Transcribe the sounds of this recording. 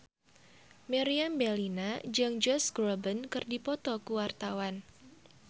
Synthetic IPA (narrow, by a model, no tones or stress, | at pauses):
mɛɾiambɛlinad͡ʒɨŋd͡ʒɔsɡɾɔbənkɨrdipɔt̪ɔkuwart̪awan